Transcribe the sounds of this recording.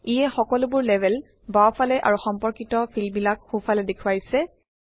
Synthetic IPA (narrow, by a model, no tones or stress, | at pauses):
ijɛxɔkɔlʊbʊɹlɛbʱɛl | bawpʰalɛʔa̰ɹuxɔmpɔɹkitɔpʰilbilak̚xupʰalɛdekʰʊwajsɛ